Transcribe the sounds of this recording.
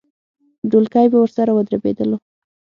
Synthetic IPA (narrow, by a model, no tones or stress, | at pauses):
ɖolkɑjbawəɾsaɾawəd̪ɾabḛd̪əlo